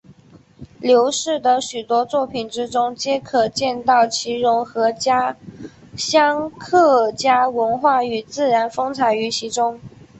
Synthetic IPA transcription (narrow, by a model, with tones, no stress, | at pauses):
ljo˧˥ʊʂɻ̩˥˩d̪ə˩ɕy˨˩t̪wɔ˥t͡swɔ˥˩pʰi˨˩nʈ͡ʂɻ̩˥ʈ͡ʂʊ˥ŋt͡ɕjɛ˥kʰɤ˨˩t͡ɕjɛ˥˧nt̪ɑ˥˩ʊt͡ɕʰi˧˥ɻʊ˧˥ŋxɤ˧˥t͡ɕja˥ | ɕjɑ˥ŋkʰɤ˥˩t͡ɕja˥wə˧˥nxwa˥˩y˨˩t͡sɹ̩˥˩ɻa˧˥nfɤ˥ŋt͡sʰa˧˥ɪy˧˥ɕi˧˥ʈ͡ʂʊ˥ŋ